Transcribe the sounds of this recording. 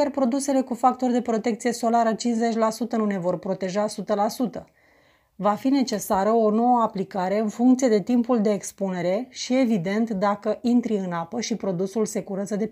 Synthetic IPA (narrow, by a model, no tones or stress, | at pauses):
arpɾo̞d̪use̞le̞kufak̚t̪o̞rd̪e̞pɾo̞t̪e̞k̚t̪sije̞so̞laɾət͡ʃinze̞t͡ʃʲlasut̪ənune̞vo̞rpɾo̞t̪e̞ʒasut̪əlasut̪ə | vafine̞t͡ʃe̞saɾəo̞no̞wəaplikaɾe̞ɨnfuŋkt̪sije̞d̪e̞t̪impuld̪e̞ːkspune̞ɾe̞ʃie̞vid̪e̞nt̪d̪akəint̪ɾiɨnapəʃipɾo̞d̪usulse̞kuɾət̪zəd̪e̞